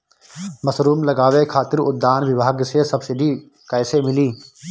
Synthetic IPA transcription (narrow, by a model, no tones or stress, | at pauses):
məsɾuːmlɐɡaːʋekʰaːt̪ɪɾʊ̰d̪ːaːnʋɪbʱaːɡsesəbsɪɖi | kɛːsemɪliː